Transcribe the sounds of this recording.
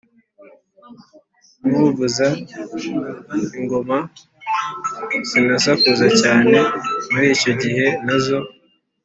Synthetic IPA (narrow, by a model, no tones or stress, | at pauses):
muvuza | iŋɡo̞ma | z̥inasakuzacaːne̞muɾiːco̞ɟiɦe̞nazo̞